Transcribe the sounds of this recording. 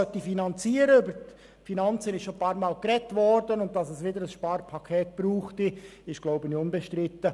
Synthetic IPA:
œtifinɑnt͡siːəɾəybət | finɑnt͡sənɪsʃopʰɑːɾmɑːlkɾɛtʋɔɾdənʊntdɑsɛsʋɪdəɾəsʃpɑːrpʰɑkʰeːt̚b̥ɾuːχtiɪʃɡ̥loʊbəniʊnbɛʃtɾɪtːə

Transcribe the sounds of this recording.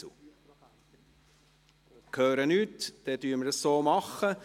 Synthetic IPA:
kʰœːɾənytd̥ɛdyːɾməɾəssoːmɑχːə

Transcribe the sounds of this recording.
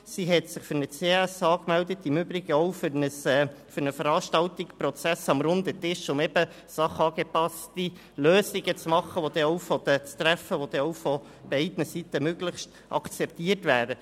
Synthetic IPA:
siɦɛt̪sɪχfʏɾnət͡seɛsɑːkmɛldətɪmʏbɾɪɡ̥əɔʊfnəsfʏɾnəfəɾɑːʃtɑltɪkspɾɔt͡sæsɑmɾʊnd̪ətɪʃʊmɛbə | sɑχɑːɡ̥epɑsti | løːsɪɡət͡smɑχːəʋod̥̪ɛɔʊfɔd̥̪ət͡st̪ɾæfəʋod̥̪ɛɔwfɔ | b̥ɛɪdnəsit̪əmøɡləχʃt | ʔɑ̰kt͡sɛp̚tiərtvæːɾə

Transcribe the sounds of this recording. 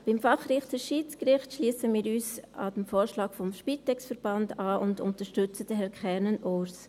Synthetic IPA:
b̥ɪmfɑχrɪχtəʃiːt͡skɾɪχtʃliːsəmiːɾyːsɑ̰dəmfoːɾʃlɑːkfɔmʃpiːtɛksfəɾb̥ɑndaːʔʊndʊ̰ntəʃtʏt͡səd̥əhɛɾkʰχɛɾnənoːs

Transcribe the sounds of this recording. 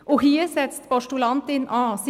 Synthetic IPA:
ʔohiːɾsɛt̪st̪pɔʃʈʊlɑnt̪ɪnʔɑːs

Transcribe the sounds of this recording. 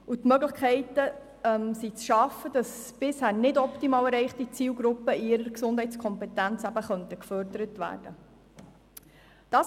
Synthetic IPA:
utmœɡləχkʰɛɪtə | ɛmsit͡sʃɑfːəd̥ɑsb̥ɪshæːrnɪdɔptimɑːlɛɾɛɪχtit͡siːlɡɾupːəiɾəɾksʊnd̥ɦɛɪt͡skʰɔmpɛtænt͡sæbəχœntəkfœɾdəɾətʋæ̰ːɾd̥ə | d̥ɑːs

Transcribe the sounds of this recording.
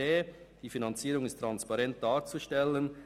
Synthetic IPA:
eː | d̥iːfinɑnt͡siːɾʊŋɪstʁɑnspɑɾɛnt̚d̥ɑːɾt͡suʃtɛlən

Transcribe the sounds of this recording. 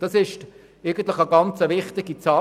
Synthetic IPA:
d̥ɑsɪʃt | eɡən̩tlɪχəɡɑnt͡səʋɪχtɪɡit͡sɑː

